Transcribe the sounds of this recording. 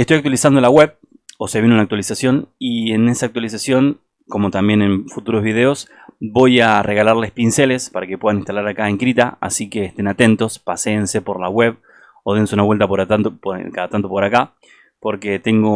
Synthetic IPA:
est̪o̞jakt̪walisand̪olaɣwe̞β | oseβinonak̚t̪walisasjo̞niene̞saːk̚t̪walis̬asjo̞ŋ | ko̞mo̞t̪ambje̞ne̞nfut̪uɾo̞zβiðe̞o̞s | bo̞jare̞ɣalaɾle̞spinse̞le̞spaɾake̞pwe̞ðaninst̪alaɾakae̞ŋkɾit̪aa̰sike̞ːht̪e̞nat̪e̞nt̪o̞spaseːnse̞po̞ɾlaɣwe̞β | oðe̞nseunaβwelt̪apoɾt̪at̪opkaat̪ant̪opo̞ɾaka | po̞ɾke̞t̪e̞ŋɡo̞

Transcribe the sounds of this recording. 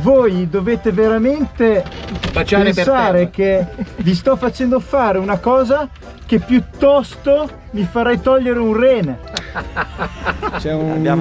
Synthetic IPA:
vojd̪oveːt̪eveɾament̪ebaeenssaːɾekevis̬t̪ɔfːat͡ʃɛnd̪ofaːɾeunakɔːza | k̟epːjut̪ːɔst̪o | mifaɾɛjt̪ɔʎːeɾeunrɛːne | t͡ʃɛj

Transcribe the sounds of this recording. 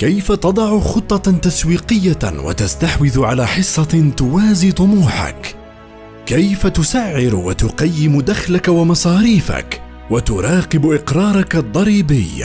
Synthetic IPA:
kajfat̪ɑd̪ˤɑʕʊxʊt̪ˤːɑt̪aswiːqɪjːawa̰t̪ast̪aħwɪðʕalaːħɪsˤːɑt̪ʊwaːziːt̪ˤʊmuːħa̰k | kːajfat̪ʊsaʕːɪɾwat̪ʊqɑjːɪmʊd̪axlakawamɑsˤɑːɾiːfa̰k | wat̪ʊɾˤɑːqɪbʔɪqɾˤɑːɾˤɑkad̪ˤːɑɾiːbɪjː

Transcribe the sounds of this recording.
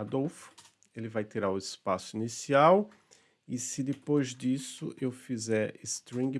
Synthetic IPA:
ad̪owf | elɪvajt̪iɾaɾʊɪspasʊinisiaw | ɪsɪd̪epojzd͡ʒisʊʔewfizɛɾɪst̪ɾĩɡ

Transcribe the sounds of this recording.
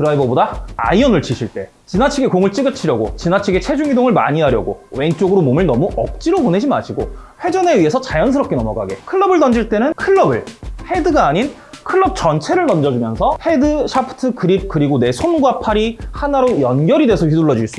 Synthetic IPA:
kɯɾaibʌbodaa̰iʌnɯɭt͡ɕʰiɕʰiɭt͈e̞ | t͡ɕinat͡ɕʰiɡekoŋɯɭt͡ɕ͈iɡɯt͡ɕʰiɾjʌɡo̰t͡ɕinat͡ɕʰiɡe̞t͡ɕʰe̞d͡ʑuŋidoŋɯɭma̰ɲiɦaɾjʌ̰ɡo̰we̞ŋt͡ɕ͈oɡɯɾomomɯɭnʌmuʔʌk̚t͡ɕ͈iɾopone̞d͡ʑima̰ɕʰiɡoɸwe̞d͡ʑʌne̞ɥie̞sʰʌt͡ɕajʌnsʰɯɾʌp̚k͈e̞nʌmʌɡaɡe̞kʰɯɭːʌbɯɭt̬ʌnd͡ʑiɭt͈e̞nɯnkʰɯɭːʌbɯɭhe̞dɯɡaːɲin | kʰɯɭːʌp̚t͡ɕʌnt͡ɕʰe̞ɾɯɭnʌnd͡ʑʌd͡ʑumjʌnsʰʌhe̞dɯɕʰapʰɯ̥tʰɯkɯɾip̚kɯɾiɡone̞sʰonɡwapʰaɾihanaɾojʌnɡjʌɾide̞sʰʌɸɥiduɭːʌd͡ʑuis͈u

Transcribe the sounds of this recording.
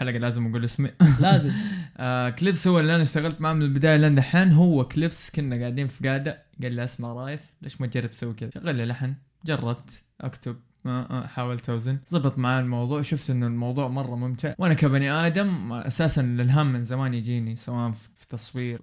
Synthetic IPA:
ħalaɡalaːzɪmʔaɡuːlʔɪsmilːzʔaklɪbshʊwːalːiʔanaʃt̪aɣalt̪maʕaːmɪɪlbɪd̪aːjalʔand̪aħaːnɦʊwːaklɪbskʊnːaɡaʕd̪iːnfiɡaːd̪a | ɡalːiʔasmaʕɾˤɑːjɪfleːʃmat̪̚d͡ʒɑrːɪbsawːikɪðaaɣalːilaħn | d͡ʒɑrˤːɑb̚t̪ | ʔa̰kt̪ʰʊb̚ | maʔħaːwalt̪ʔawzɪnzˤɑbɨt̪ˤmaʕaːɪlmɑwðˤuːʕʃʊft̪ʔɪnːʊlmɑwðˤuːʕmɑrˤːɑmʊmt̪ɪʕwʔanakabaniʔaːd̪amʔa̰saːsanlɪlɦaːmːɪnzamaːnjd͡ʒiːnisawaːʔan | fi̥t̪ɑsˤwiːɾ

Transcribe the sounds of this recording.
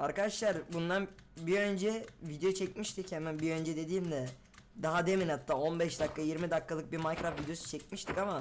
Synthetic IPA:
aɾkad̪aʃlˠaɾbund̪anbiø̞nd͡ʒɛvid̪eot͡ʃʰɛc̚miʃt̪ʰichɛmɛnbiø̞nd͡ʒɛd̪e̞d̪iːmd̪ɛ | d̪aɦad̪eminhat̪ːaːo̞nbɛʃd̪akːajiɾmid̪akʰːalˠɯk̚biɾmajkɾafvid̪eo̞su̥t͡ʃʰɛc̚miʃt̪ʰikama

